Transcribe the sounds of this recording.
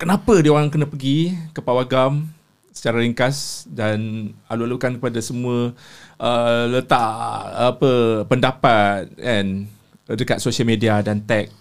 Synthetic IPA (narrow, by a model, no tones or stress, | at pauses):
kənãpədioɾaŋkənapəɡikəpawaɡam | sə̥t͡ʃaɾaliŋkasdanalualukankəpadasəmũəʔələt̪aʔapəpəndapat̪̚ɛn | dəkat̪̚sosialmediadant̪ɛk̚